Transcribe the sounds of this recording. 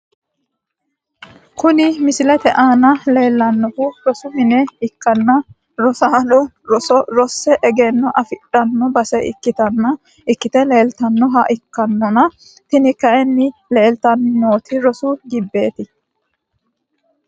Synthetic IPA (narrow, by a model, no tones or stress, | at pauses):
kʊnɪmɪsɪlɛt̪ɛʔaːnɐle̞ːlːɐnːɔfʊɾɔsʊmɪnɛɪkːɐnːɐ | ɾɔsaːlʊ | ɾɔsɔɾɔsːɛʔɛɡeːnːɔʔɐfɪᶑɐnːɔbɐsɛɪ̰kːɪt̪ɐnːɐ | ɪkːɪt̪ɛleːlt̪ɐnːɔɦɐʔɪkːɐnːɔnɐ | t̪ɪnɪkːɐɛnːɪle̞ːlt̪ɐnːoːt̪ʰɪɾɔsʊɡɪbːe̞ːt̪ɪ